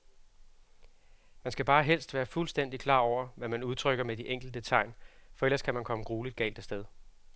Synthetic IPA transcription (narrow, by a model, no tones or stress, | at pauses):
mænsɡ̥æb̥ɑ̈ːɦel̰sd̥ʋæːɐfulsd̥en̰d̥ikʰl̥ɑ̰̈ːɒʊ̰ɐʋæmænuð̞ˠt͡sʰʁœɡ̥ɐmed̥iʔeŋ̰ɡ̥l̩əd̥ət͡sʰɑ̈ɪ̰nfɒ̽el̰ɐskʰæmænkʰɒ̽məɡ̥ʁuːlid̥̚ɡ̥ɛ̰ːld̥əsd̥eð̞ˠ